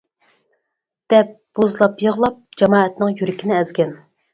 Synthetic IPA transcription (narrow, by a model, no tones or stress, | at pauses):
d̪̥ɛp̚b̥ozlˠɑpjəʁlˠɑp̚d͡ʒɑmɑːɛt̪nɨŋjyɾɪkʲʰinɪɛzɡʲɛn